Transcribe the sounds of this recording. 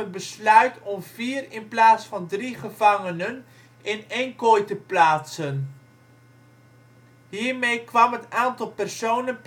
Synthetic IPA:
ətbəslœɥtɔmv̥iːrɪnplaːsfɑndriχəv̥ɑŋənən | ɪnɛŋkojtəplaːtsən | ɦiːɹmejkʋɑmɦətaːntɑlˠpɛrsownənp

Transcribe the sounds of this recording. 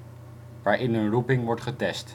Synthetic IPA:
ʋaːɹʔɪnənrupɪŋʋɔɹtχətɛst

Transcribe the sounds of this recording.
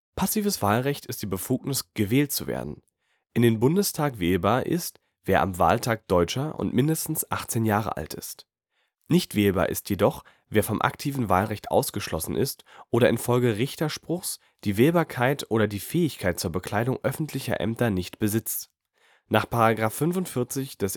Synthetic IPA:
pʰasiːvəsv̥aːlʁɛçtɪstd̥iːbəfuːknɪsɡ̥əvɛːltt͡suvḛːɐdn̩ | ʔɪndeːnbʊndəstʰaːkveːlbaːɐʔɪ̰st | v̥eːɐʔa̰mva̰ːltʰaːk̚d̥ɔʏt͡ʃɐʔʊ̰ntmɪndəstn̩sʔaχt͡seːnjaːʁə̰ʔa̰ltɪ̰st | nɪçtv̥eːlba̰ːɐʔɪ̰stjedɔχ | veːɐfɔmʔa̰ktʰiːvn̩va̰ːlʁɛçtʔa̰ʊsɡ̥əʃlɔsn̩ʔɪ̰stʔoːɾɐʔɪnfɔlɡəʁɪçtɐʃpʁ̥ʊχs | d̥iːveːlbaːɐkʰaɪtʰʔoːɾɐdiːfɛːɪçkʰaɪt̚t͡suːɐbəkʰl̥aɪdʊŋʔœfn̩tʰlɪçɐ̰ʔɛ̰mtɐnɪçtb̥əzɪt͡st | naːχpʰaʁaɡʁaːfːʏnvʊntfɪɐt͡sɪçd̥ɛs

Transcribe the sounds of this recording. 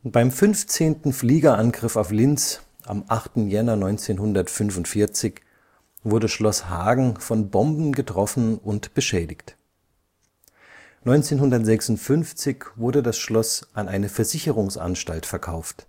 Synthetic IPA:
b̥aɪmfʏnft͡seːntn̩fliːɡɐʔanɡʁɪfaʊflɪnt͡s | ʔa̰mʔaχtn̩jɛnɐnɔʏnt͡seːnhʊndɐtfʏnfʊntfɪɐt͡sɪç | vʊɐdəʃlɔshaːɡŋ̩fɔnbɔmbn̩ɡətʁ̥ɔfn̩ʊntb̥əʃɛːdɪçt | nɔʏnt͡seːnɦʊndɐtz̥ɛksʊntfʏnft͡sɪçv̥ʊɐdədasʃlɔsʔanʔaɪnəfɛɐzɪçəʁʊŋsʔa̰nʃtaltfɛɐkʰaʊft

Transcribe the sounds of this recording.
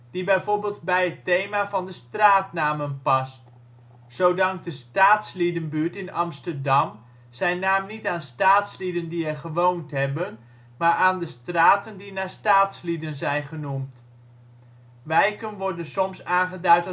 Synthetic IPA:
d̥ibɛjvoːɹbɪːlˠd̚bɛjɦətejmaːvɑndəstraːtnaːmənpɑst | sowdɑŋk̚dəstaːtslidənbyːɹtɪnɑmstəɹdɑm | z̥ɛjnaːmnitaːnstaːtslidəndiɛɹχəʋowntɦɛbən | maːɹʔaːndəstraːtəndinaːstaːtslidənzɛjnχənumt | ʋɛjkənʋɔɹdənsɔmsaːnχədœɥt

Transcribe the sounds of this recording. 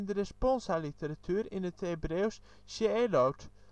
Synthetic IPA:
ndərəspɔnsalitəɾatʰyɾɪnəthebreːws | ʃəelowt

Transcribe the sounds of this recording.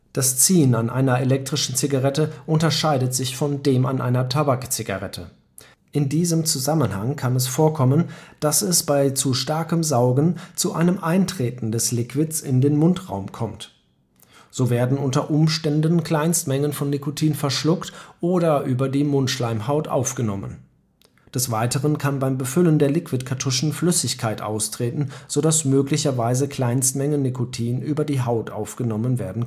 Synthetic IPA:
d̥ast͡siːnanʔa̰ɪnɐelɛk̚tʁ̥ɪʃn̩t͡sɪɡaʁɛtəʔʊntɐʃaɪdətz̥ɪçfɔndeːmʔa̰nʔa̰ɪnɐtʰabakt͡sɪɡa̰ʁɛtʰə̰ | ʔɪndiːzəmt͡suzamənha̰ŋkʰanɛsfoːɐkʰɔmənd̥asɛsb̥aɪt͡suʃtaɐkəmzaʊɡn̩t͡suʔa̰ɪnəmʔaɪntʁ̥eːtn̩dɛslɪkv̥ɪt͡sɪ̰ndeːnmʊntʁa̰ʊmkʰɔmt | z̥oːveːɐdn̩ʔʊntɐʔʊmʃtɛndn̩kl̥aɪnstmɛŋənfɔnːikotʰiːnfɛɐʃlʊktʔoːɾɐʔyːbɐdiːmʊntʃlaɪmhaʊtʔa̰ʊfɡ̥ənɔmə̰n | d̥ɛsv̥aɪtəʁənkʰanbaɪmbəfʏləndeːɐlɪkv̥ɪtkʰatʰʊʃn̩flʏsɪçkʰaɪtʔa̰ʊstʁ̥eːtn̩z̥odasmøːklɪçɐvaɪzəkʰl̥aɪnstmɛŋənikʰotʰiːnʔyːbɐdiːɦaʊtʔa̰ʊfɡ̥ənɔmənveːɐdn̩

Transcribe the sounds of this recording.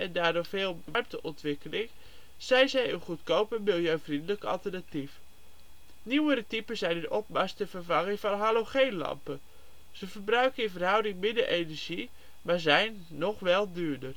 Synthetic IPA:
ʔɛndaːɹdoɹveːlˠbəʋɛɹm̚təʔɔntʋɪkəlɪŋ | z̥ɛjnzɛjənχutkowpəɹmɪlˠjøɥvrindələkəɑ̰lˠtəɹnatif | niwəɾətipənzɛjnəʔɔp̚mɑstəvəɹvɑŋəŋvɑnɦaːloχejnlɑ̰mpə | z̥əvəɹbrœɥkənɪnvərɦɑwdɪŋmɪdəʔejnɛɹʒi | maːɹzɛjnːɔχʋɛlˠdyːɹdər

